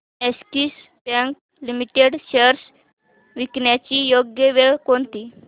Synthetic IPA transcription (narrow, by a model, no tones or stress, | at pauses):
eskiːs | bãŋk̚ | limiʈeɽɕəɾs | ʋikɳjat͡ɕiːjoɡjəʋeɭkoɳt̪iː